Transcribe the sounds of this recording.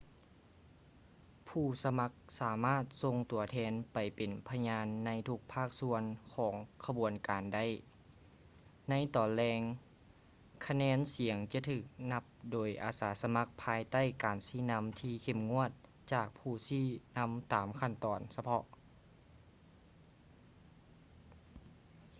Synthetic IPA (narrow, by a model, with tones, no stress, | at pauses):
pʰuː˧˩sa˧ma˧˥k̚saː˩˦maː˥˩t̪̚so˧ŋt̪u˨˩ɐt̪ʰɛː˧˥npa˨jpe˨˩npʰa˧ɲaː˧˥nːa˧˥jt̪ʰu˧˥k̚pʰaː˥˩k̚su˧ənkʰɔː˩˦ŋkʰa˧bu˨˩ənkaː˨nda˥˨j | na˧˥jt̪ɔː˨˩nlɛː˧ŋ | kʰa˧nɛː˧˥nsi˨˩˦əŋt͡ɕa˧˩t̪ʰɯː˧˩k̚na˧˥p̚doː˨˩jʔa̰ː˨˩saː˨˩˦sa˧ma˧˥k̚pʰaː˧jt̪a˥˨jkaː˨nsiː˧˥˩na˧˥mt̪ʰiː˧kʰe˧˩mŋu˧˥˨ət̪̚ | t͡ɕaː˧˩k̚pʰuː˧˩siː˧˥˩na˧˥mt̪aː˨˩mkʰa˧˩˨nt̪ɔː˨˩nsa˧pʰɔ˧ʔ